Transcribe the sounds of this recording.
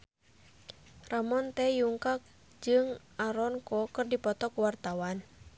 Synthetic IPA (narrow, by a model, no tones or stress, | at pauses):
ramɔnt̪ɛjuŋkak̚ | d͡ʒɨŋʔaɾɔnkɔkɨrdipɔt̪ɔkuwart̪awan